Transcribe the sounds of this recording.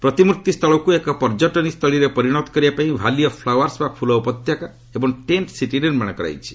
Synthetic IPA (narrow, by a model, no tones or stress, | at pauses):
pɾɔt̪imuɾt̪ist̪ʰɔɭɔkuekɔpɔɾd͡ʒɔʈɔnist̪ʰɔɭiɾepɔɾiɽ̃ɔt̪ɔ̥kɔɾibapaĩbʱalijɔpʰlawaɾsbakpʰulɔupɔt̪jaka | ebɔŋʈenʈsiʈiniɾmaɽ̃ɔkɔɾa̰jt͡ʃʰi̥